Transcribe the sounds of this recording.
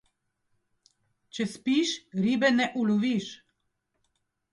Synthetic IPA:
t͡ʃɛspiʃɾiːbɛnɛʔulɔʋiʃ

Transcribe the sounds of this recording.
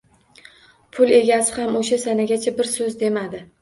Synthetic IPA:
pʰʊle̞ɡʲasɪhamoʃasanaɡʲat͡ʃʰabɪɾsɵzd̪e̞mad̪ɪ

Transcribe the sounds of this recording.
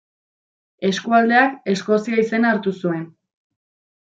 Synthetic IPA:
e̞skuald̪e̞ake̞sko̞siaise̞naːɾt̪usue̞n

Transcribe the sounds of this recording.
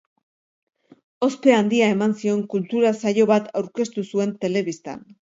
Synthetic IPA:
o̞spe̞and̪iae̞mansio̞ŋkult̪uɾasajo̞βat̪ʰawɾke̞st̪usue̞nt̪e̞le̞βist̪a̰n

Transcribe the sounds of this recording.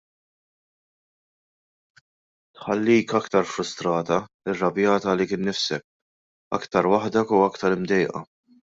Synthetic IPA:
t̪ħɐlːiːkɐkt̪ɐɾfɾʊst̪ɾɐːt̪ɐ | ɪrːɐbjɐːt̪ɐlikɪːnːɪfsɛk̚ | ɐ̰kt̪ɐɾwɐħd̪ɛkuɐkt̪ɐɾɪmd̪ɛjʔɐ̰

